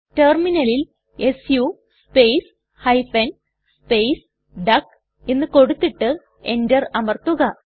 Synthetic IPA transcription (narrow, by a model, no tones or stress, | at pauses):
terminɐlil | esju | spejs | hɐjfɐn | spejs | ɖɐk | enːɨko̞ɽut̪ːiʈːɨ | e̞̰ndɐrɐmɐrt̪ːuɣɐ